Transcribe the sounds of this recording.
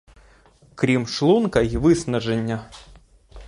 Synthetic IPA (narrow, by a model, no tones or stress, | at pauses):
kɾʲimʂlˠunkɐvɨsnɐʐɛnʲːɐ